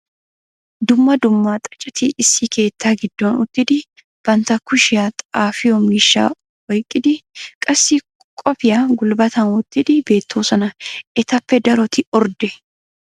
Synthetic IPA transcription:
d̪ʊmːɐd̪ʊmːaːt̪ʼɐ̥t͡ʃʼɐt̪ɪʔɪsːiːkʰe̞ːt̪ːaːɡɪd̪̥ːoːnʊt̪ːɪd̪ɪ | b̥ɐnt̪ɐkːʊʃɪjaːt̪ʼaːfɪjɔmiːʃːa̰ː | wɔjkʼːɪd̪ɪkʼɐsːi | kʼɔpɪjaɡʊlbɐt̪ɐnwɔt̪ːɪd̪ɪbe̞ːt̪ːoːsɐnɐʔɛt̪ɐpːɛd̪ɐɾɔt̪ɪɔɾd̪ɛ

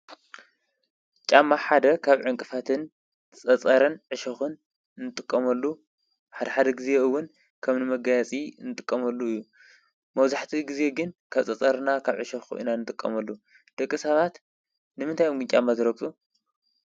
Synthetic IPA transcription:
t͡ʃʼamːaħad̪ɐkʰaβʕɨŋkʼɨfat̪ʰɨn | t͡sʼɐt͡sʼɐɾɨnʕɨʃɐxɨn | nɨt̪ʼɨkʼːɐmɐlːu | ħad̪ɐħad̪ɐɡizeɨwːʊn | kʰɐmnɨmɐɡajat͡sʼinɨt̪ʼɨkʼːɐmɐlːuɨjːu | mɐβzaħt̪ʰiɡize̞ɡɨnkʰɐβt͡sʼɐt͡sʼɐɾnakʰaβʕɨʃɐxʔḭnanɨt̪ʼɨkʼːɐmɐlːu | d̪̥ɐkʼːɨsɐβat̪ | nɨmɨnt̪ʰajumɡɨnt͡ʃʼamːazɨɾɐkʼu

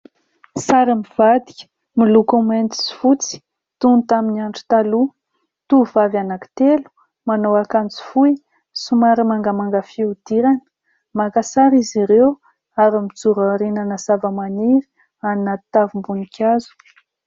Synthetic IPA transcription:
saɾimiv̥ad̪i̥kʲə̥ | milukument̪i̥si̥fut͡si̥ | t̪unt̪aminaɳʈ͡ʂu̥t̪alu | t̪uvavanaki̥t̪elu̥ | manowakant͡si̥fuj | sumaɾimaŋɡəmaŋɡəfiud̪̥iɾanə̥ | makasaɾiziɾew | aɾimid͡zuɾaɾinanəsavəmaniɾi̥ | annat̪avimbunikʲʰazu̥

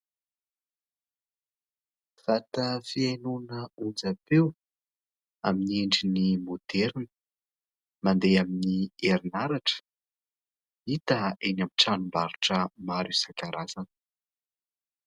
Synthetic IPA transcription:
fat̪əfienunəund͡zapew | aminieɳɖ͡ʐinimod̪̥eɾinə̥ | mand̪eaminieɾinaɾaʈ͡ʂə̥ | it̪əenamiʈ͡ʂanumbaɾiʈ͡ʂəmaɾusakaɾʔazanə

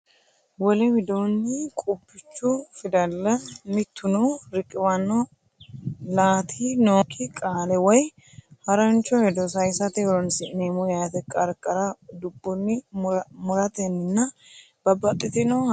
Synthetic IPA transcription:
wɔlɛmɪd̪onːɪkʼʊbːɪt͡ʃːʊfɪd̪ɐlːɐmɪt̪ʰːʊnɔɾɪkʼːɪwɐnːɔ | laːt̪ʰinoːkʰːɪkʼaːlɛwɔj | hɐɾɐnt͡ʃːɔhɛd̪ɔsɐjsɐt̪ɛwɔɾɔnsɪneːmʊjaːt̪ɛkʼɐɾkʼːɐɾɐd̪ʊbːʊnːɪmʊɾɐt̪ɛnːɪnːɐ | b̥ɐbɐt̪ʼːɪt̪ɪnɔ

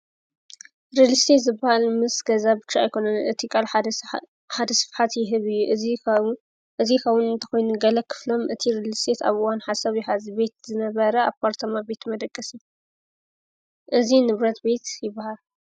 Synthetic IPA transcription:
ɾilist̪ʰet̪zɨbːahalmɨsɡɐzabɨt͡ʃːaajkʰo̞nɐnɨt̪ʰikʼal | ħad̪ɐsɨ̥fħat̪jɪɦɨβɨjːuʔ | ʔɨzikʰɐβʊnɨnt̪ʰɐ̥xo̞jnuɡɐlɐkʰɨ̥flo̞mɨt̪ʰiɾilist̪ʰet̪a̰βɨwanħasɐβjɪhazibe̞t̪zɨnɐβɐɾɐaβpʰaɾt̪ʰɐmabe̞t̪mɐd̪ɐkʼːɐsi | ʔɨzinɨβɾɐt̪be̞t̪jɪbːahal

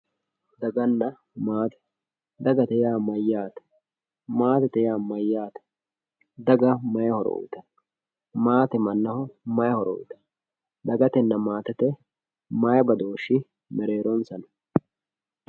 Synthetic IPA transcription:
d̪ɐɡɐnːɐ | maːt̪ɛ̥ | d̪ɐɡɐt̪ɛjaːmɐjːaːt̪ɐ̥ | maːt̪ɛt̪ɛjaːmɐjːaːt̪ɐ̥ | d̪ɐɡɐmɐjɐhɔɾɔ̰ṵːt̪ɐ | maːt̪ɛmɐnːɐhʊmɐjɐhɔɾɔ̰ːt̪ɐ̥ | d̪ɐɡɐt̪ɛnːɐmaːt̪ɛt̪ɛ | mɐjɐbɐd̪oːʃːɪ | mɛɾeːɾɔnsɐn

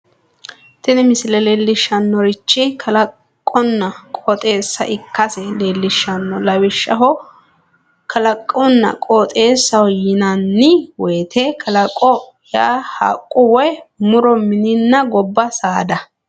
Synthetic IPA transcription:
t̪ɪnɛmɪsɪlɛlelːɪʃːɐnːɔɾɪt͡ʃːɪkʰɐlɐkʼː | ɔnːɐkʼɔt̪ʼe̞ːsːɐ̰ʔɪkːɐsɛleːlːɪʃːɐnːɔlɐwɪʃːɐ̰ɦɔ | kɐlɐkʼːɔnːɐ̰kʼɔt̪ʼe̞ːsːɐwɔjɪnɐnːɪwɛːt̪ʰekʰɐlɐkʼːɔ | jaːha̰kʼːʊwɔjmʊɾɔmɪnɪnːɐɡɔbːɐsaːd̪ɐ

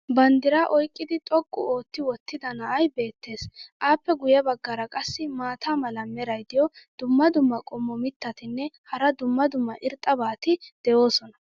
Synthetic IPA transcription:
bɐnd̪ɪɾaːʔɔjkʼːɪd̪ɪt̪ʼɔkʼːʊ̰oːt̪ːɪwɔt̪ːɪd̪ɐnɐʔɐjbe̞ːt̪ːe̞ːsʔaːpːɛɡʊjɐbɐɡːɐɾɐkʼɐsːɪmaːt̪ʰaːmɐlɐmɛɾɐjd̪ɪjɔd̪̥ʊmːɐd̪ʊmːɐkʼɔmːɔmɪt̪ːɐt̪ɪnːɛhɐɾɐd̪ʊmːɐd̪ʊmːɐʔɪɾt̪ʼːɐbaːt̪ɪd̪̥ɛjo̞ːsɔnɐ

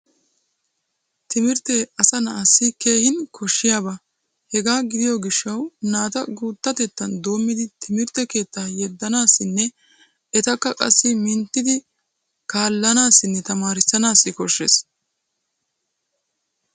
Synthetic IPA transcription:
t̪ɪmɪɾt̪ɛɐsɐnɐːsːɪke̞ːhɪnkʰɔʃːɪjaːba | hɛɡaːɡɪd̪ɪjɔɡɪʃːɐwnaːt̪ɐɡuːt̪ːɐt̪ɛt̪ːɐnd̪o̞ːmːɪd̪ɪt̪ʰɪmɪɾt̪ːɛke̞ːt̪ːaːjɛd̪ːɐnaːsːɪnːɛ | ɛt̪ɐkːɐkʼɐ̰sːɪmɪnt̪ːɪd̪ɪ | kaːlːɐnaːsɪnːɛt̪ɐmaːɾɪsːɐnaːsːɪkɔʃːes

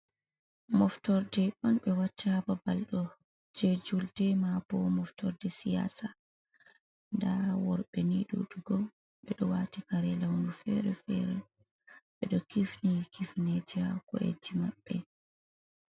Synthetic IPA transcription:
mɔftɔɾdɛɗɔnɓɛwatʰːaababalɗɔ | d͡ʒed͡ʒuldɛmab̥ɔmɔftɔɾdɛsija̰ːsa | ndawɔɾɓɛniɗṵɗuɡɔ | ɓɛɗɔwaːtikaɾɛlawnufɛɾɛfɛ̰ɾɛ | ɓɛɗɔkifnikifnɛd͡ʒɛakɔ̰ʔḛd͡ʒimaɓːɛ

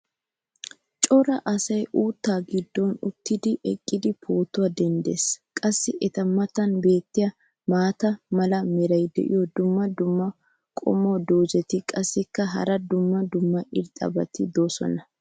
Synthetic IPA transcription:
t͡ʃʼɔɾɐʔɐsɐjʔuːt̪ːaːɡɪd̪ːɔnʊt̪ːɪd̪ɪʔɛkʼːɪd̪ɪpʰo̞ːt̪ːʊwɐd̪ɛnd̪eskʼɐsːɪʔɛt̪ɐmːɐt̪ɐnbe̞ːt̪ːɪjɐ | maːt̪ɐmɐlɐmɛɾɐjd̪ɛ̰ʔɪ̰jɔd̪ʊmːɐd̪ʊmːɐ | kʼɔ̰mːod̪oːd͡ʒɛt̪ɪkʼɐsːɪkːɐɦɐ̰ɾɐd̪ʊmːɐd̪ʊmːɐʔɪɾt̪ʼɐ̰bɐ̰t̪ɪd̪o̞ːsɔ̰nɐ

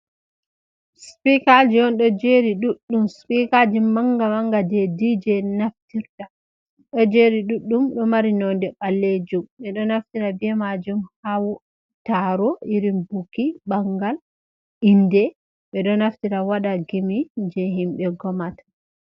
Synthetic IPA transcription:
spikad͡ʒiɔnɗɔd͡ʒeɾiɗuɗːumspikad͡ʒimːaŋɡamaŋɡadɛdid͡ʒɛnaftiɾta | ɗɔd͡ʒeɾiɗuɗːumɗɔmaɾinɔndɛɓalːed͡ʒumɓɛɗɔnaftiɾabɛmad͡ʒumhawɔ | taɾɔiɾimbukibaŋɡal | indɛ | ɓɛɗɔnaftiɾawaɗaɡimid͡ʒɛɦimɓɛɡɔmatḁ

